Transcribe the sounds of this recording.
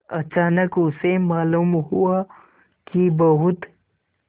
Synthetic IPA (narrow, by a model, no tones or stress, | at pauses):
ɐ̰t͡ʃaːnəkʊsemaːluːmɦua | kibəɦʊt̪